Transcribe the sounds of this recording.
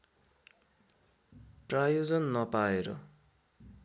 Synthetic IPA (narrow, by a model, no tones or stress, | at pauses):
ʈrajod͡zʌnːʌpaeɾʌ̰